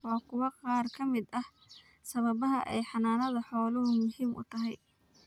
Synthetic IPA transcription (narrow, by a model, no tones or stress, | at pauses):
ɔːkʰʊwɑqɑːrkʰɐmɪd̪ɐh | sɐβɐβɐɦɐʔɛjħɑnaːnɐðɐħɔːlɐɦʊmʊhiːmʔʊ̰t̪ʰɐɦɛj